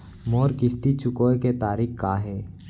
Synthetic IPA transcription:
moːɾkɪst̪it͡ʃʰʊkoːeket̪aːɾikkaːɦɛː

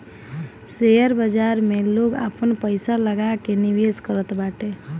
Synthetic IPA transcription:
sejəɾbəd͡ʒaɾmeloɡa̰pənpəjsaləɡakeniʋeskəɾət̪baʈe

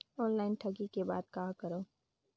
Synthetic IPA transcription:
ɔːnlaːɪnʈʰɐɡikeba̰ːd̪kaːkɐɾoː

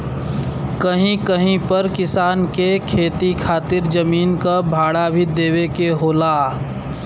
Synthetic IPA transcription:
kəɦĩkəɦĩpəɾkɪsaːnkekʰeːt̪ikʰaːt̪ɪɾzəmiːnkabʱaːɽabʱid̪eːwekeɦoːlaː

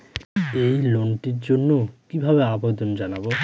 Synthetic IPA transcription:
ejlonʈiɾd͡ʑonːokibʱabeabod̪ond͡ʑanabo

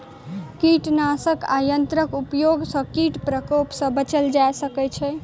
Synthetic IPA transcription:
kiʈnasəka̰jənt̪ɾəkupjoɡsə̃kiʈpɾəkopsə̃bət͡ʃəld͡ʒaesəkɛt͡ʃʰɛ

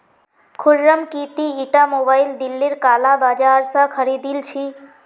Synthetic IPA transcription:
kʰuɽːəmkit̪iːʈamobaild̪ilːiɾkalabad͡ʒaɾsə̃kʰəɾid̪ilt͡ʃʰi

